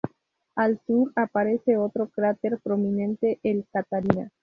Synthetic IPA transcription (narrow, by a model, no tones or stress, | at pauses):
alsuɾapaɾese̞o̞t̪ɾo̞kɾat̪eɾpɾo̞mĩnẽ̞nt̪e̞ʔːlkat̪aɾina